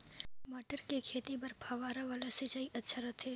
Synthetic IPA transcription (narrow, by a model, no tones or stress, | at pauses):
maːʈəɾkekʰeːt̪ipɐɾpʰaʋaːɾaʋaːlaset͡ʃaːiʔɐtːʃʰaɾɐt̪ʰeː